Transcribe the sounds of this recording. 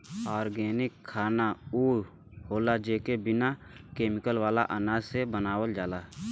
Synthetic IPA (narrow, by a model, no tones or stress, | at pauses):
aːɾɡeːnɪkʰːaːnauː | hoːlad͡ʒeːkebɪnakeːmɪkəlwaːla̰ʔanaːzsebənaːwəld͡ʒaːlaː